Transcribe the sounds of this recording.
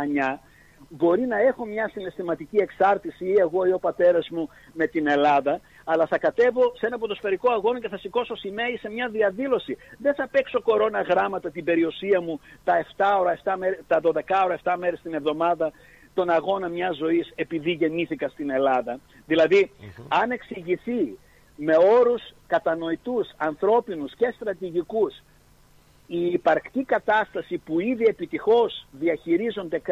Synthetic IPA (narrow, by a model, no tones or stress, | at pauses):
ɐɲɐ | bo̞ɾinɐe̞xo̞mɲɐsine̞st̪imɐt̪icie̞ksɐɾt̪isiieɣo̞iopɐt̪e̞ɾɐzmu | me̞t̪ine̞lɐðɐ | ɐlɐθɐkɐt̪e̞vo̞see̞nɐpot̪ospeɾikoɐɣo̞nɐce̞θɐsiko̞so̞sime̞ise̞mɲɐðiɐðilo̞siðe̞nθɐpe̞kso̞ko̞ɾo̞nɐɣɾɐmɐt̪ɐt̪ibe̞ɾiosiɐmut̪ɐe̞ft̪ɐo̞ɾɐeft̪ɐmeɾt̪ɐðo̞ðekɐo̞ɾɐeft̪ɐme̞ɾest̪ine̞vðo̞mɐðɐ | t̪o̞nɐɣo̞nɐmɲɐzo̞ise̞piðiʝe̞niθikɐst̪ine̞lɐðɐ | ðilɐðiɐne̞ksiʝiθi | me̞o̞ɾuskɐt̪ɐno̞it̪usɐnθɾo̞pinusce̞st̪ɾɐt̪iʝikus | iːpɐɾkt̪ikɐt̪ɐst̪ɐsipuiðie̞pit̪ixo̞zðiɐçiɾizo̞nd̪e̞k